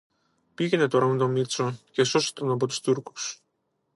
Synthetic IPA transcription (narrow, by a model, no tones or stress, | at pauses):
piʝenet̪oɾamud̪omit̪socesosi̥t̪ɐnop̬ot̪u̥st̪uɾku̥s